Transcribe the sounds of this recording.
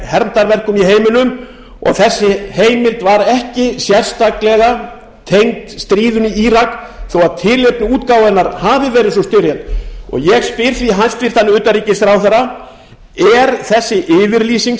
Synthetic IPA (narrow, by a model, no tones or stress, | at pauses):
hɛɾmt̪aɾvɛr̥kʏmiɦeːjmʏnʏm | ɔ̰ɣθɛsːɪheːjmɪlt̪vaɾɛhcɪsjɛr̥st̪aklɛɣa | t̪ʰejŋt̪st̪ɾiːðʏniiɾak | θowaðt̪ʰɪlep̚nʏuːt̪kaːwɛnaɾhaːvɪvɛːɾɪðsɔst̪ʏɾjɛnt̪ɔ̰ɣjɛɣspɪɾ̥θviɦanst̪vɪɾ̥t̪ʰanːɪmʏːt̪aɾiːcɪsθɾaːwθɛɾa | ɛɾθɛsːɪʔɪːvɪɾliːsiŋ